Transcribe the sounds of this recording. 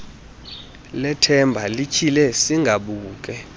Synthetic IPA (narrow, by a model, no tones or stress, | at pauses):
lɛtʰɛmbʱalikʰilɛsiŋɡʱaɓuːk̬ʼɛ